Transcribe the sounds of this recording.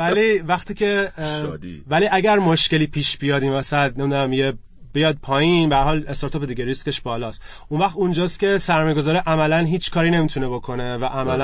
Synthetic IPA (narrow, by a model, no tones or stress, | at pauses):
vælivæxt̪iːcʰe̞d̪væliːʔæɟæɾmoʃce̞liːpʰiːʃbijɒːd̪iːmvæsæd̪ne̞mid̪unæmije | b̥ejɒːd̪̚pʰɒːjinbeæɾhɒːlest̪ɑɾt̪ʰoːped̪iɡʲeɾist̪ke̞ʃbɒːlɒːst̪ | unvæxt̪und͡ʒɒːst̪kʲʰe̞sæɾmɒːjeɡo̞zɒːɾiʔæmælænɦiːt͡ʃʰkʰɒːɾiːne̞miːt̪ʰune̞bo̞kʰo̞ne̞væʔæmælæ